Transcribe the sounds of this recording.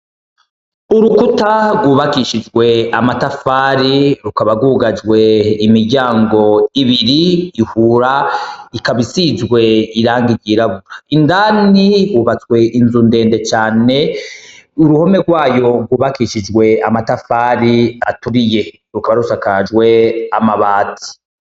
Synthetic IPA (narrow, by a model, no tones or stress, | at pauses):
uɾukutaɡwuːβakiʃid͡ʒɡwe̞amatafaːɾiɾukaβaɡuːɡad͡ʒwe̞imiɟaːŋɡo̞iβiɾiːhuːɾaikaβisizɡwe̞iɾaːŋɡiɾɟiːɾaβuɾaindaːniɡwuːβat͡swe̞ʔinzunde̞ːnde̞t͡ʃaːne̞ | uɾuho̞meɡwaːjo̞ɡwuːβakiʃid͡ʒɡwe̞amatafaːɾia̰tuɾije̞ | ɾukaβaɾusakad͡ʒɡwe̞amaβaːtʰi̥